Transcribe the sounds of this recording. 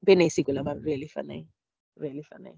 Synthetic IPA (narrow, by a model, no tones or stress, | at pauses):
bɛnesikʊlamarrialɪfa̰nɛ̰ | rialɪfa̰nɛ̰